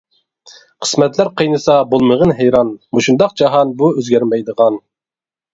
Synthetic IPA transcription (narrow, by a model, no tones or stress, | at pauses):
qʰə̥smɛt̪læɾqʰəjnɨsɑbolˠməʁənɦɛjɾɑnmoʃund̪ɑqd͡ʒɑɦɑnbuøzɡʲæɾmɛjd̪əʁɑn